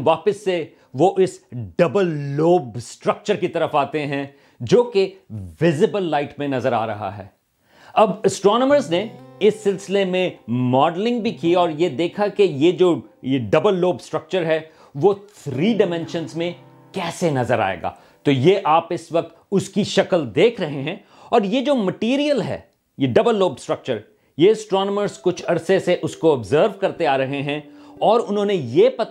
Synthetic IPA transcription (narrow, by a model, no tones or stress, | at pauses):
ʋaːpəsːe | ʋoʔɪsɖɐbəlːoːbsʈɾɐk̚t͡ʃəɾkit̪ɐɾəfaːt̪eɦɛ̃ | d͡ʒoːkeʋɪzɪbəlːaːɪʈmẽnɐzəɾa̰ːɾɐɦa̰ɦɛ̰ː | ɐbɐsʈɾɔːnəməɾzneɪsːɪlsɪlemẽmɔːɖlɪ̃ŋɡbʱikiɔːɾjed̪eːkʰakejed͡ʒoːjeɖɐbəlːoːbsʈɾɐk̚t͡ʃəɾɦɛ | ʋot̪ʰɾiːɖɪmɛ̃nʃə̃nzmẽ | kɛːsenɐzəɾa̰ːḛːɡa̰ː | t̪oːjeʔaːpɪsʋɐk̚t̪ʊskiʃɐkəld̪eːkʰɾɐɦeɦɛ̃ː | ɔːɾjed͡ʒoːmɐʈiːɾijəlɦɛ̰ː | jeɖɐbəlːoːbsʈɾɐk̚t͡ʃəɾ | jeɐsʈɾɔːnəməɾzkʊt͡ʃʰɐɾseseʔʊskoɐbzəːɾʋkɐɾt̪eaːɾɐɦeɦɛ̃ɔːɾʊnɦõːnejepɐt̪